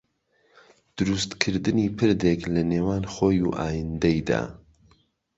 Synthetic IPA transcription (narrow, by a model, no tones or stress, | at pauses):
d̪̥ɨɾust̪kʰɨɾd̪ɨniːpʰɨɾd̪eklɐneːwaːnxoːjuʔaːjɨnd̪ejd̪a̰ː